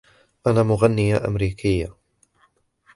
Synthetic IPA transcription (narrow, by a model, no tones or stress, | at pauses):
ʔanaːmʊɣanːɪjaʔa̰mɾiːkɪjːa